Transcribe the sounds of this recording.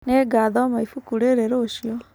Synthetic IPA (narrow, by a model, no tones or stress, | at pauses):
neɡaːðɔmaifukuɾeɾeɾoːɕiɔ